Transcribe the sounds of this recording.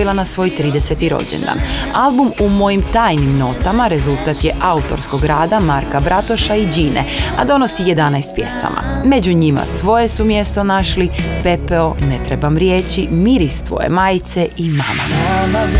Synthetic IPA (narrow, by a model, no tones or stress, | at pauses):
ilˠanasʋo̞ːjt̪ɾiːd̪ese̞t̪iɾo̰d͡ʑḛnd̪a̰ːnalˠbumumo̞jimt̪aːjnimno̞t̪amaɾe̞zulˠt̪at̪je̞ʔaut̪o̞̰ɾsko̞ɡɾaːd̪amaɾkabɾat̪o̞ʃaid͡ʑiːnḛa̰d̪o̞no̞sije̞d̪anajst̪̚pje̞̰sa̰mʔa̰me̞d͡ʑuɲima̰sʋo̞je̞sumje̞st̪o̞naʃlipe̞peone̞t̪ɾe̞bamɾjet͡ɕimiɾist̪ʋo̞̰je̞̰maːjt̪se̞ʔimama